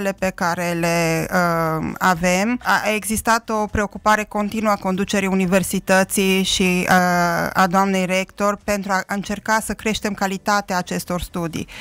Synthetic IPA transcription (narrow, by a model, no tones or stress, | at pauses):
le̞pe̞kaɾe̞le̞əave̞maeɡzist̪at̪o̞pɾeo̞kupaɾe̞ko̞nt̪inuəako̞nd̪ut͡ʃeɾijunive̞rsit̪ət̪siʃi | a̰d̪oamne̞jɾe̞kt̪o̞rpe̞nt̪ɾuaɨnt͡ʃe̞rkasəkɾe̞ʃt̪e̞mkalit̪at̪eaːt͡ʃe̞st̪o̞rst̪ud̪ḭ